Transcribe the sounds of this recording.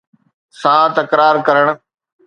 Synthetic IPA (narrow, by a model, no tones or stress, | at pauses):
sãːt̪ɐkɾaːɾkɐɾəɽ̃